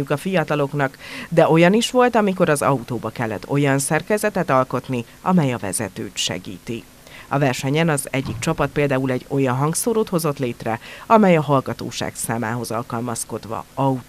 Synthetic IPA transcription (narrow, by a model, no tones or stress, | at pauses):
ukɒfijɒt̪ɒlo̞kn̪ɒkd̪ɛʔo̞jɒniʃʋo̞lt̪ɒmik̬oɾɒzɒ̰ut̪oːbɒkɛlːɛ̰t̪ːo̞jɒnsɛrkɛzɛt̪ɛt̪ɒlko̞t̪ni | ɒmɛjɒvɛ̰zɛ̰t̪ø̰ːt̪ʃɛ̰ɡḭːt̪i | ɒvɛrʃɛɲɛnɒzɛɟːik̚t͡ʃɒpɒt̪̚peːld̪aːulɛɟːo̞jɒnɦɒŋɡsoːɾoːt̪ho̞zo̞t̪leːt̪rɛɒmɛjɒɦɒlɡɒt̪o̰ːʃa̰ːksaːma̰ːɦo̞zɒlkɒlmɒsko̞d̪ʋɒ̰ɒu